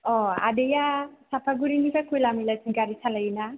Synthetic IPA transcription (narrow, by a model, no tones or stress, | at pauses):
ɔa̰dejasapʰaɡuɾinikakʰujlamilasiɡaɾisʰalajina